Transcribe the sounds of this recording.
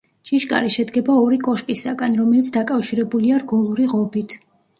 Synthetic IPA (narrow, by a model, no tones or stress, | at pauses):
t͡ʃʼiʃkʼa̰ɾiʃɛd̪ɡɛbaɔɾikʼɔʃkʼisaɡanɾɔmɛlit̪sʰd̪akʼafʃiɾɛbuliaɾɡɔlˠuɾiʁɔbit̪ʰ